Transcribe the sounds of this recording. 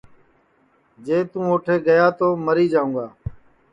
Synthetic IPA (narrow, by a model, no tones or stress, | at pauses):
d͡ʒeːt̪ũːoːʈʰeːɡəjaːt̪oːməɾiːd͡ʒaːũːɡaː